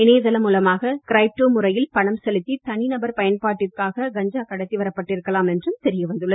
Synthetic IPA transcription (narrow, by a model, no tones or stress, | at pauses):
ɪneːðɐlɐmuːlɐmaːɣɐkɪɾɐɪp̚ʈːoːmʊrɐjɪlpɐɳɐmsɛlɪt̪ːit̪ɐnɪnɐbɐɾpɐjɐnpaːʈːɪrkaːɣɐɡɐɲd͡ʒaːkɐɽɐt̪ːiʋɐɾɐpːɐʈːɪɾɯkːɐlaːmɛndrɯmt̪ɛɾɪjɐʋɐnd̪ɯɭːɐð